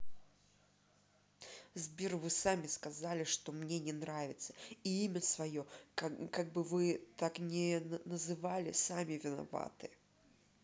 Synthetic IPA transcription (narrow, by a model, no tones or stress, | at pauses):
zbʲirvɨsamʲɪskɐzalʲɪʂt̪o̞mnʲenʲɪnɾavʲɪt̪sə̥iimʲəsvɐjo̞kaɡ̚bɨvɨt̪aknʲɪnəzɨvalʲɪ̰samʲɪvʲɪna̰va̰t̪ɨ